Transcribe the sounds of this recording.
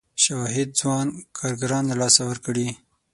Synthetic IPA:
ʃawɑɦɪd̪̚zwɑnkʰɑɾɡaɾɑnlalɑsawəɾkɽi

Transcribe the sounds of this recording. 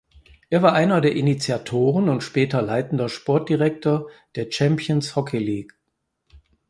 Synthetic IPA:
ʔeːɐvaːɐʔaɪnɐdeːɐʔinit͡sjatʰoːʁənʊntʃpɛːtɐlaɪtn̩dɐʃpɔɐt̚d̥iʁɛk̚toːɐd̥eːɐt͡ʃɛmpʰjənshɔkʰeliːk

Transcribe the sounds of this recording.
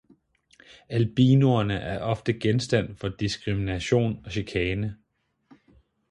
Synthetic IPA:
ælb̥iːnuɐnəʔæɐʔɒ̽fd̥əɡ̥ensd̥æn̰fɒ̽d̥isɡ̥ʁiminæɕo̝̰ːnɒ̽ɕikʰɛːnə

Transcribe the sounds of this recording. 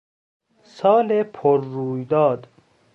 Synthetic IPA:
sɒːlepʰoɾːuːjd̪ɒːd̪

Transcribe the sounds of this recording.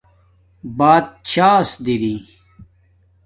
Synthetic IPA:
baːt̪̚t͡ɕʰaːsd̪iɾiː

